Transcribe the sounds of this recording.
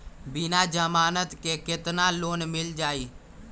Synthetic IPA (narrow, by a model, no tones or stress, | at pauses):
bɪnaːd͡ʒəmaːnət̪keːkɪt̪nãːloːnmɪld͡ʒaːiː